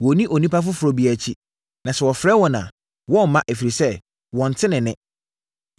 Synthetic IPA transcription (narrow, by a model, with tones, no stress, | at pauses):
wɔ˨˦nĩ˦ʔo˨nĩ˦pa˦f̬ʊ˦fʊ˨ɾɔ˨bi˨æ˨t͡ɕʰi˦ | nã˨sɛ˨wɔ˨fɾɛ˦wɔ̃˨nã̰˨ | wɔ˦m̩˨˦mã˦ʔe˨fi˨ɾi˨sɛ˦ | wɔ̃˨n̩˨tʰɪ˦nɪ̃˨nɪ̃˦